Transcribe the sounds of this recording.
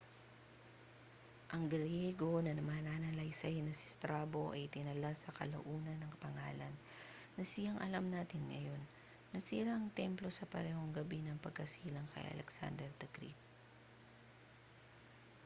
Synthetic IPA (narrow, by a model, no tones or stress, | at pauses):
ʔɐŋɡɾjɛɡo̞nɐnɐmaːnanɐlɐjsɐjnɐsɪ̥st̪ɾaːbo̞ʔɐjt̪ɪnɐlasɐkɐ̰lɐ̰ʔuːnɐnːɐŋpɐŋaːlɐnː | ɐsɪjaŋʔɐlamnaːt̪ɪnŋɐ̰jo̞nː | ɐsiɾaɐŋt̪ɛmplo̞sɐpɐ̰ɾɛːho̞ŋɡɐbinɐŋpɐɡ̚kɐsiːlɐŋkʰɐ̰jʔɐ̰lɛ̰ksa̰nd̪ɛɾd̪ɛɡɾḭt̪̚